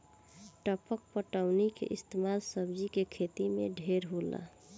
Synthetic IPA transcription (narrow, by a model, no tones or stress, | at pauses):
ʈəpək̚pəʈəʊnikḛʔɪst̪emalsəbd͡ʒikekʰet̪imḛɖʱeɾɦola̰